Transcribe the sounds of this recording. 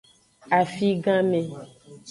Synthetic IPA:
a˨fi˦ɡã˦mẽ˨

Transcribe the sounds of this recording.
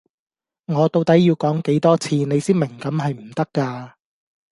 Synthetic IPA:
ŋɔː˨˧t̪o˧wt̪ɐ˨˥jːiː˧wkɔː˨˥ŋke˨˥jt̪ɔː˥t͡sʰiː˧ne˨˧jsiː˥nmɪ˨˩ŋkɐ˨˥mɦɐ˨jm̩˨˩t̪ɐ˥kːaː˧

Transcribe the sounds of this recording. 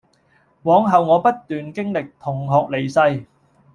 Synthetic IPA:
wɔː˨˥ŋɦɐ˨wŋɔː˨˧pɐ˥t̚t̪yː˨nkɪ˥ŋlɪ˨k̚t̪ʰʊ˨˩ŋɦɔː˨k̚le˨˩jsɐ˧j

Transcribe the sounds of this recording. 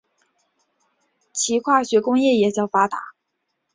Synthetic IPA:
t͡ɕʰi˧˥kʰwa˥˩ɕɥɛ˧˥kʊ˥ŋjɛ˥˩jɛ˨˩t͡ɕjɑ˥˩ʊfa˥t̪a̰˧˥˦

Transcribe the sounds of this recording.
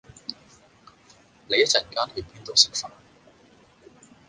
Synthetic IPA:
ne˨˧jɐ˥t͡sɐ˨˩˨kaː˥nhɵ˧ɥpiː˥nt̪o˨wsɪ˨k̚fɐ˨n

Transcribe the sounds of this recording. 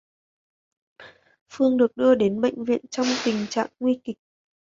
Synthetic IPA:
fɨ˧əŋɗɨ˨˩ək̚ɗɨ˧əɗe˨˦nɓə̰˧˨jŋ̟vḭ˧˨ənt͡ɕɔ˧wŋ͡mt̪ï˨˩ŋ̟t͡ɕa̰ː˧˨ŋːwi˧kï˨˩k̚

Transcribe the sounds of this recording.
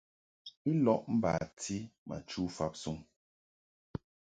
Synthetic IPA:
i˦lɔ˦˨ʔm̩˦ba̰ː˨tʰi˦ma̰˨t͡ʃu˦fa˦p̚su˦ŋ

